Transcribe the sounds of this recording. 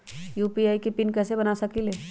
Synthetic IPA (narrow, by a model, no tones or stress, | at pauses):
juːpiaːikepɪnkɛːsebɐnasɐkileː